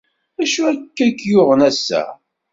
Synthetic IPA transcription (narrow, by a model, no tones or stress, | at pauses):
æʃuækːækːjʊʁənæsːæ̰